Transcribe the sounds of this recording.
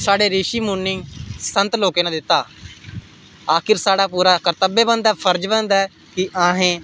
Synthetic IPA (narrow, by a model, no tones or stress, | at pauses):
saːɽeːɾiːʃiːmũːnːɪ̃ŋɡsənt̪loːkeːnãːd̪ɪt̪ːaː | aːkʰɪɾsaːɽaːpuːɾaːkəɾt̪əbeːbənd̪aːpʰəɾd͡ʒbə̃nd̪aɛː | kɪʔaːɦẽː